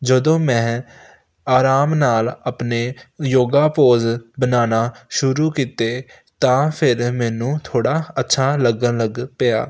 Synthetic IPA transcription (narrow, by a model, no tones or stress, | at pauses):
d͡ʒəd̪õːmɛ̃ː | aːɾaːmnaːləpneːjoːɡaːpoːzbənaːnaːʃʊɾuːkiːt̪eː | t̪ãːpʰɪɾmɛːnũːt̪ʰoːɽaːətːʃʰaːləɡənləɡpɪja̰ː